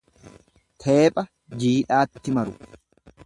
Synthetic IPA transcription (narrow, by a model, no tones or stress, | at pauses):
t̪ʰe̞ːpʼɐ | d͡ʒiːᶑaːt̪ːɪmɐɾʊ